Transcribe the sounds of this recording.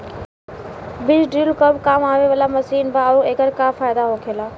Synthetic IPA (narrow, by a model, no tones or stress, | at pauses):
bɪd͡ʑɖɾiːlkəbkaːmaːʋeʋəlamɐsiːnbaːueːkəɾkaːfaːɪd̪aɦoːkʰelaː